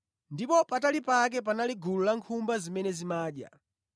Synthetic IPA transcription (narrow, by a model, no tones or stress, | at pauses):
ndipɔpatalipak̬ɛp̬analiɡululaŋkʰumbazimɛnɛzimaːɗja̰